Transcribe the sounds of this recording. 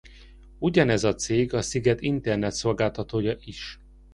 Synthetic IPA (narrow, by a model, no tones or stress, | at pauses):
uɟɒnɛzɒt̪seːɡɒsiɡɛt̪int̪ɛrnɛt̪so̞lɡaːlt̪ɒt̪oːjɒʔiʃ